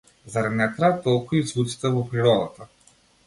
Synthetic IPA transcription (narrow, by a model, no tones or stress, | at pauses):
zaɾanɛt̪ɾat̪ɔlˠkuizvut̪si̥t̪ɛvɔpɾiɾɔd̪at̪a